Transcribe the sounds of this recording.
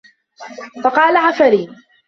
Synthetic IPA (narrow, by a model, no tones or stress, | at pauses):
fɑqɑːlaʕafaɾiː